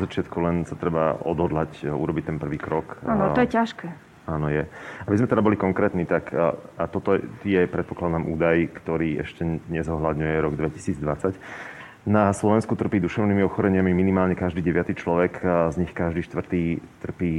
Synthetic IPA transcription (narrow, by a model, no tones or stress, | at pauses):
zat͡ʃɪat̪kulɛnsat̪ɾɛbaɔd̪ɦɔd̪lacṵɾɔbic̚t̪ɛnpr̩ʋiːkɾɔkanɔjɛcaʃkɛː | aːnɔjɛabizmɛt̪ɛd̪abɔlikɔŋkɾɛːt̪niːt̪akʰat̪ɔt̪ɔjɛpɾɛt̪̚pɔklad̪amʔṵːd̪ajkt̪ɔɾiːɛ̰ʃcɛɲɛzɔɦlad̪ɲujɛɾɔɡd̪ʋɛci̥siːd͡zd̪ʋat͡sac | naslɔʋɛnskut̪r̩piːd̪uʃɛʊniːmiɔxɔɾɛɲɪamiminimaːlɲɛkaʒd̪iːɟɛʋɪat̪iːt͡ʃlɔʋɛkzɲixkaʒd̪iːʃt̪ʋr̩t̪iːt̪r̩piː